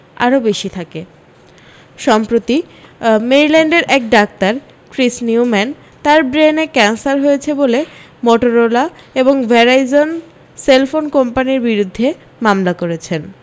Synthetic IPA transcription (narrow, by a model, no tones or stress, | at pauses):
a̰ɾobeʃit̪ʰake | ʃɔmpɾot̪imeɾilɛɳɖeɾʔɛk̚ɖak̚t̪aɾ | kɾisniumɛn | t̪aɾbɾenekɛnsaɾɦojet͡ɕʰebole | moʈoɾolaeboŋvɛɾajzon | selfonkompaniɾbiɾud̪ʱːe | mamlakoɾet͡ɕʰen